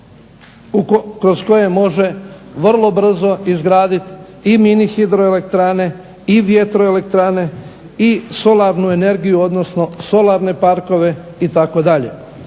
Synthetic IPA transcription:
ukɾo̞sko̞je̞mo̞ʒe̞ʋr̩lˠo̞br̩zo̞izɡɾaːd̪it̪ | iminixid̪ɾoele̞kt̪ɾane̞ | iʋje̞t̪ɾo̞elekt̪ɾane̞ | iso̞laɾnue̞ne̞ɾɡijuo̞d̪no̞sno̞so̞lˠaɾne̞paɾko̞ʋe̞ | it̪ako̞d̪aʎḛ

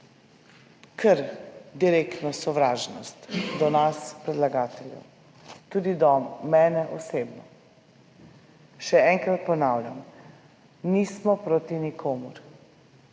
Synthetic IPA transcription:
kʰəɾd̪iɾekt̪nɔsɔʋɾaːʒnɔ̰st̪d̪ɔnaspɾɛd̪laɡaːt̪ɛljɛ̰w | t̪uːd̪id̪ɔmːɛːnɛʔɔseːbnɔ | ʃɛɛŋkɾat̪̚pɔnaːwlʲa̰m | nismɔpɾoːt̪inikʰoːmuɾ

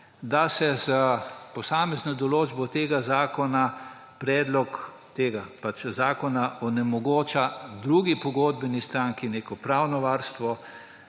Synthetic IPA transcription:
d̪asɛzəpɔsaːmɛznɔd̪ɔloːd͡ʒbɔt̪eːɡazaːkɔna | pɾɛːd̪lɔk | t̪eːɡapat͡ʃzaːkɔnaʔɔnɛmɔɡoːt͡ʃad̪ɾuɡipɔɡoːd̪̚bɛnist̪ɾaŋkineːkɔpɾaːwnɔʋaːɾst̪ʋɔ

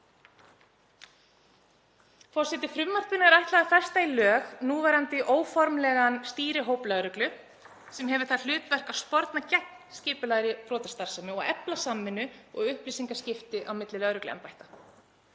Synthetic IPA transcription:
fɔr̥sɛt̪ɪfɾʏmːar̥p̪ɪnɛɾajht̪laðafɛr̥st̪ailœːɣnuːvɛːɾant̪ɪʔoːwfɔɾmlɛɣanst̪iːɾɪɦoːwplœɾʏklʏ | sɛmɦɛvʏɾθaðl̥ʏːt̪vɛr̥kaspɔɾt̪nacɛhnscɪːpʏlaɣɾɪpʰɾɔːt̪ɛ̥st̪aɾ̥samʏɔɣɛplasamːɪnːʏɔ̰ɣʏhpliːsiŋkascɪft̪ɪʔawmɪt̪lɪlœðɾʏklɛ̰mpajht̪ḁ

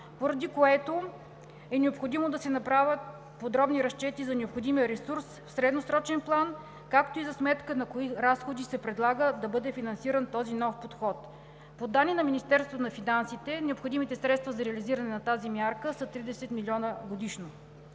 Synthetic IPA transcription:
poɾɐd̪ikoɛt̪o | ɛnɛopxod̪imod̪ɐsɛnɐpɾavʲət̪̚ | pod̪ɾɔbniɾɐʃt͡ʃɛt̪izɐnɛopxod̪imiəɾɛsuɾsfsɾɛd̪nosɾɔt͡ʃɛnplˠan | kakt̪oizɐsmɛt̪kənɐkoiɾasxod̪isɛpɾɛd̪lˠaɡəd̪ɐbɤd̪ɛfinɐnsiɾənt̪ɔzinɔfpot̪xɔt̪ | pod̪anːinɐminist̪ɛɾst̪vot̪onɐfinansit̪ɛnɛopxod̪imit̪ɛsɾɛt̪st̪vɐzɐɾɛəliziɾɐnɛnɐt̪azimʲjaɾkəsət̪ɾid̪ɛsɛt̪milʲiɔnəɡod̪iʃno

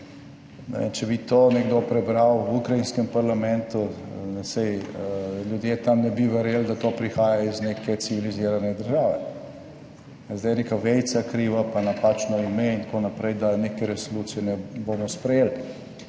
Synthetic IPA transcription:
nɛ̰int͡ʃɛbit̪oːnɛɡd̪opɾɛbɾawwukɾajinskɛmpaɾlamɛ̃nt̪unɛsɛj | ljud̪jeːt̪amnɛbiʋɛɾjeld̪at̪oːpɾixaːjaizneːkɛt̪siʋiliziːɾanɛd̪əɾʒaːʋɛ | zd̪ajnekaʋɛj̪sakɾiːʋapanapaːt͡ʃnɔimeint̪konapɾɛjd̪anekɛɾɛsoluːt̪sijɛnɛboːmɔspɾɛjeːl

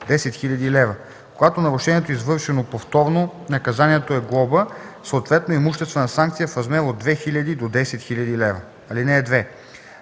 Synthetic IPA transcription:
d̪ɛsɛt̪xiʎʲɐd̪ilɛvə | koɡat̪onɐɾʊʃɛniɛt̪oizvɤɾʃɛnopoft̪ɔɾnonɐkɐzaniɛt̪oɛɡlˠɔbəsot̪vɛt̪noimuʃt̪ɛst̪vənɐsaŋk̚t̪sijəfɾɐzmɛɾod̪̚d̪vɛxilʲɐd̪id̪od̪ɛsɛt̪xiʎʲɐd̪ilɛvə | ɐlinɛːd̪vɛ

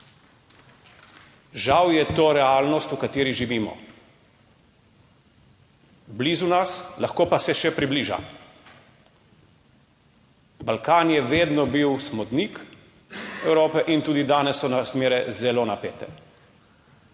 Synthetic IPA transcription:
ʒawjɛt̪oːɾɛaːlnɔst̪ukat̪eːɾiʒiʋiːmɔ̰ | bliːzunaslaxkoːpasɛʃɛpɾibliːʒa̰ | balkaːnjɛʋeːd̪nɔbiwsmɔd̪nik | ɛwɾoːpɛʔint̪uːd̪id̪aːnɛsːɔnasmeːɾɛzɛloːnapeːt̪ɛ̰

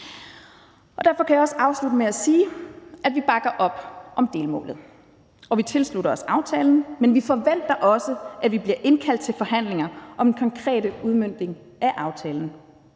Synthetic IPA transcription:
ɒ̽d̥æɐfɒ̽kʰæjiɒ̽səɑ̈ʊslud̥əmeæsiːʔæd̥ʋib̥ɑ̈ɡ̥ɐʔɒ̽b̥ʔɒ̽md̥e̝ːlmɔ̰̽ːlð̩ˠ | ʔɒ̽ʋit͡sʰe̝lsluɾɐɒ̽sɑ̈ʊt͡sʰɛːln̩menʋifɒ̽ʋen̰d̥ɐʔɒ̽səʔæʋib̥liɐʔe̝nkʰæl̰d̥̚t͡sʰe̝lfɒ̽hɦæn̰le̝ŋɐʔɒ̽menkʰɒ̽ŋkʰʁɛ̰ːdəuðˠmøn̰d̥e̝ŋ | ʔæʔɑ̈ʊt͡sʰɛːln̩

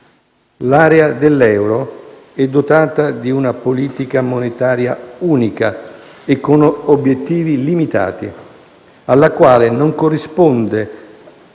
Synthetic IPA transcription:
laːɾead̪elːɛwɾo | ɛd̪ːot̪aːt̪ad̪iunapoliːt̪ikamonet̪aːɾjauːnika | ekːonobjet̪ːiːvilimit̪a̰ːt̪ḭ | alːakwaːlenoŋkorːispond̪e

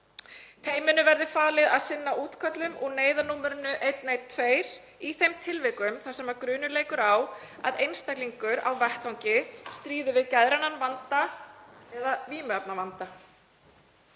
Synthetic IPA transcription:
t̪ʰeːjmɪnʏvɛɾðʏfaːlɪðaðsɪnːaʔuːt̪kʰœt̪lʏmʔɔɣneːjðanuːmɛɾʏnːʏʔejt̪nejt̪ʰveːjɾ̥ | iθejmt̪ʰɪlvɪkʏmθasɛmaɾkɾʏːnʏleːjkʏɾawa̰ðejnst̪akliŋkʏɾa̰wvɛht̪awɲcɪst̪ɾiːðʏvɪðcɛðɾananvant̪a | ɛðaviːmapnavant̪a

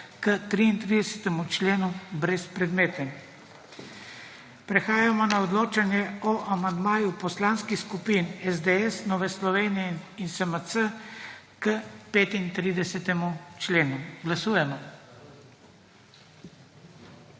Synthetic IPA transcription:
kət̪ɾiːnt̪ɾid̪ɛsɛ̥t̪ɛmut͡ʃlenubɾɛspɾɛd̪met̪ɛm | pɾɛxaːjamɔnaɔd̪lot͡ʃanjɛɔʔamand̪maːjupɔslanskixskupinɛzd̪ɛɛsnɔːʋɛslɔʋenijɛinsəmət̪sə | kəpɛt̪int̪ɾid̪ɛsɛt̪ɛmut͡ʃleːnuɡlasujɛmɔ

